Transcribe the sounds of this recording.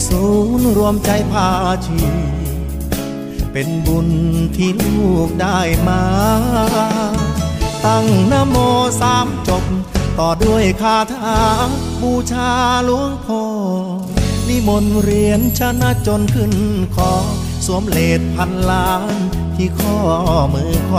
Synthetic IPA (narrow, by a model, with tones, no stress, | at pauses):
suː˨˦nɾu˧əmt͡ɕa˧jpʰaː˧t͡ɕʰi˧ | pe˨nbu˨˧˩nt̪ʰiː˧˩˧uː˧˩k̚daː˥˧˩jmaː˧ɾa˧˥ | t̪a˧˩ŋnaː˧˥mɔː˧saː˨˦mt͡ɕo˨˧p̚t̪ɔː˨˩du˥˩əjkʰaː˧˩t̪ʰaː˧ | buː˧˩t͡ɕʰaː˧lu˧˥˦əŋpʰɔː˧˩ | li˧˩mo˧nɾi˧ənt͡ɕʰa˧˥na˧˥t͡ɕo˧nkʰɯ˧˩nkʰɔː˨˦ | su˨˦əmleː˨˩t̪̚pʰa˧nlaː˧˦ | n | t̪ʰiː˧˩kʰɔː˧˩mɯː˨˧˦kʰa˧